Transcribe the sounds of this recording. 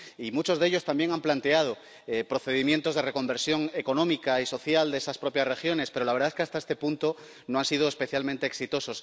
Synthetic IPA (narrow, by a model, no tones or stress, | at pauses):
imut͡ʃo̞zðe̞ʎo̞st̪ambje̞ŋamplant̪eað̞o̞ | epɾo̞θe̞ðimje̞nt̪o̞zðe̞re̞ko̞mbeɾsjo̞ŋeko̞nõ̞mikaiso̞θjald̪e̞saspɾo̞pjaszre̞xjo̞nespe̞ɾo̞laβe̞ɾðaeskeast̪aest̪e̞punt̪o̞ | noansið̞oe̞spe̞θjalmẽnt̪eːksit̪o̞so̞s